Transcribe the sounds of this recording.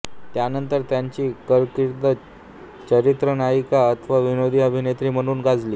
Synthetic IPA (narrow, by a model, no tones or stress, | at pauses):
t̪janənt̪əɾt̪jaɲt͡ɕiːkəɭkiɾt̪ə | t͡ɕəɾit̪ɾənaikaət̪ʰʋaʋinod̪ʱiːəbʱinet̪ɾiːm̤əɽ̃uːnɡad͡zliː